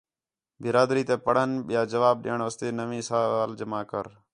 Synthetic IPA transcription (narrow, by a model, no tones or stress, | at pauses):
bɪɾaːd̪ɾiːt̪eːpəɽ̤ənɓɪjaːd͡ʒəʋaːb̚ɗɪ̰ːəɳʋəst̪eːnəʋĩːsaːaːld͡ʒəmaːkəɾ